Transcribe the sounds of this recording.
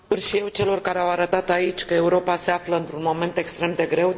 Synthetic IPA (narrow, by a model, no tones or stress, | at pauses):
urʃije̞wt͡ʃe̞lo̞rkaɾeawaɾət̪at̪ait͡ʃʲkəe̞uɾo̞pase̞afləɨnt̪ɾunmo̞me̞nt̪e̞kst̪ɾe̞md̪e̞ɡɾe̞w